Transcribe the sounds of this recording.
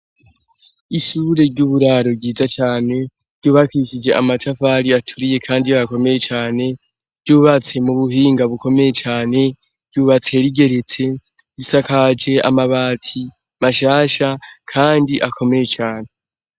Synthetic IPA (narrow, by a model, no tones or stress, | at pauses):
iʃuːɾe̞ɾɟuβuɾaːɾo̞bɟiːzat͡ʃaːne̞ | ɾɟuːβakiiʃid͡ʒe̞ʔamatafaɾiatʰuɾije̞kʰaːndiaβako̞me̞je̞t͡ʃaːne̞ | ɾɟuːβat͡se̞muβuɦiːŋɡaβuko̞me̞je̞t͡ʃaːne̞ | ɾɟuːβat͡se̞ɾiɡe̞ɾe̞t͡se̞ | βisakad͡ʒe̞a̰maβaːtʰi | maʃaːʃakʰaːndiʔakʰo̞me̞je̞t͡ʃaːne̞